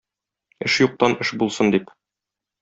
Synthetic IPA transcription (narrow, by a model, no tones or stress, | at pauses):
ɘʃjuq̚t̪ɑnɘʃbulˠsɤnd̪ip